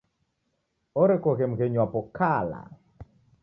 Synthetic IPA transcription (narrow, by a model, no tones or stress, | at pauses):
ɔɾekɔɣem̩ɣeɲwapɔkʰala̰